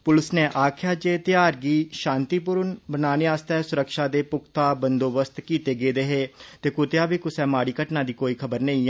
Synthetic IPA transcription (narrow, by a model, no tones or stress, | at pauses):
pʊlɪsneːʔaːkʰjaːd͡ʒeːt̪jaːɾɡiːʃãːnt̪iːpʊɾənbənaːneːaːst̪ɛːsʊɾəkʃaːd̪eːpʊk̚ʰt̪aːbənd̪oːbəst̪kiːt̪eːɡeːd̪eːɦeːt̪eːkʊt̪eaːbiːkʊsɛːmaːɽiːkəʈnaːd̪iːkoːiːkʰəbəɾnəĩː